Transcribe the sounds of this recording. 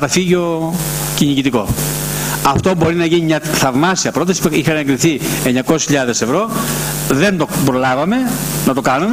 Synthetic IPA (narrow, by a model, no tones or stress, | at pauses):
ɐt̪ɐfiʝo̞ | ciɲiʝit̪iko̞̰ | ɐft̪o̞bo̞ɾinɐʝiɲimɲɐθɐvmɐsiɐpɾo̞t̪ɐsipeixɐneŋɡɾiθieɲɐkosisçiʎɐðe̞se̞vɾo̞ | ðe̞nt̪o̞bɾo̞lɐvɐme̞nɐt̪o̞kɐnun